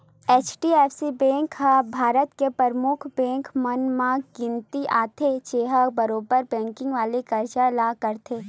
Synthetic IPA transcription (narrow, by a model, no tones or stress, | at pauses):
eːt͡ʃʈieːfsibɛ̃ːŋkɦãbʱaːɾət̪kepɾəɾmʊkʰbɛ̃ːŋkʰmənmãɡɪ̃nt̪iʔaːt̪ʰet͡ʃeːɦabɐɾoːbəɾbɛ̃ːŋkɪ̃ŋɡʋaːlikɐɾd͡ʒalaːkɐɾt̪ʰeː